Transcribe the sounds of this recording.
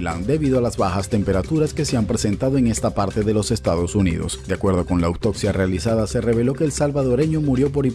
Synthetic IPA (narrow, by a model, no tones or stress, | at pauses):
la̰nd̪e̞βiðoalazβaxast̪empe̞ɾat̪uɾaske̞se̞ampɾese̞nt̪aðoeŋe̞st̪apaɾt̪e̞ðe̞lo̞se̞st̪aðo̞sunḭðo̞̰sd̪eakwe̞ɾðo̞ko̞nlawt̪o̞ksjarealisaðase̞re̞βe̞lo̞ke̞ːlsalβaðo̞ɾe̞ɲomuɾjop̬o̞ɾi